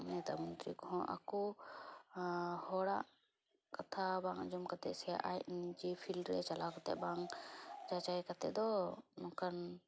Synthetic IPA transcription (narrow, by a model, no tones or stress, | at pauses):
mɛt̪amunt̪ɾikɦɔ̃ʔa̰kɔ | hɔɽaʔ | kat̪ʰabaŋd͡ʒɔmkat̪ɛ̰sɛa̰ʔajt̪̚nid͡ʒɛpʰilɾɛt͡ʃalakɔt̪ɛ̰ʔbaŋd͡ʒat͡ʃaikat̪ɛ̰ʔd̪ɔnɔ̃kan